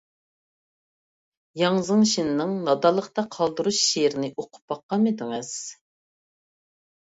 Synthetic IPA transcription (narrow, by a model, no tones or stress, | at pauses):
jɑŋzɨŋʃinɪnɨŋnɑd̪ɑlˠːəχt̪ɑqʰɑlˠd̪uɾuʃʃːeɾɪnɪʔoqʰʊ̥p̚ːɑqːɑmed̪ɪŋɨz̥